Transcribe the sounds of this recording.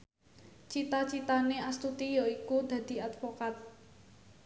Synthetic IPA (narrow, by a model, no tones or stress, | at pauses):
t͡ʃit̪at͡ʃit̪aneʔast̪ut̪ijɔikud̪ä̤d̪̥i̤at̪fokat̪̚